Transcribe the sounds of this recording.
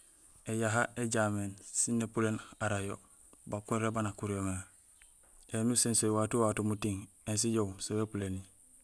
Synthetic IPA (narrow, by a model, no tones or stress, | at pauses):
ejaɦaeɟameːnsinːepulenaɾajo | bakunɾebanakuɾiome | enusensojwatuwatumutiŋ | ens̬iɟowsewepuleni